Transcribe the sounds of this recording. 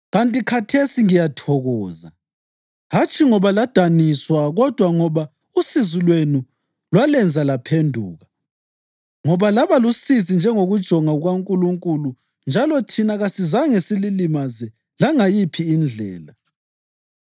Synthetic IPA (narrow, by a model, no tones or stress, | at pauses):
ɣantʼikʰatʰesiŋijatʰɔɣɔːza̰ | ɦat͡ʃʰʼiŋɔβalad̥ʱaniswaɣɔd̥ʱwaŋɔβa | usizulwenu | lwalɛnd͡zʱalapʰendʱuːɣa | ŋɔβalaβalusizind͡ʒʱɛŋoɣud̥ʒ̥ʱɔŋauɣaŋkʼuluŋkʼulu | nd͡ʒʱalɔtʰinaɣasizaŋesililimazɛ | laŋajipʰiːnd͡ɮʱɛ̰ːla